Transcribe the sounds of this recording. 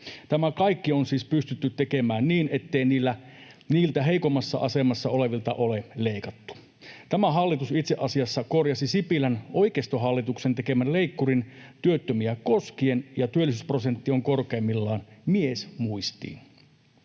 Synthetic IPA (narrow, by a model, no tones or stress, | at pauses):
t̪æmækɑikːio̞nsiːspyst̪yt̪ːyt̪ːeke̞mæːnniːne̞t̪ːeiniːlːæ | niːlt̪æɦe̞ikomːɑsːɑ̰ʔɑse̞mɑsːɑ̰o̞le̞ʋilt̪ɑ̰ʔoleleikɑt̪ːu̥ | t̪æmæɦɑlːit̪usit̪seʔɑsiɑsːɑko̞rjɑsisipilænʔo̞jkest̪oɦɑlːit̪ukse̞nt̪e̞ke̞mænle̞ikːurint̪yøt̪ːømiæko̞skie̞njɑt̪yølːˑisysprosent̪ːio̞ŋko̞rkeːmːilːɑːnmiesmuist̪ḭːn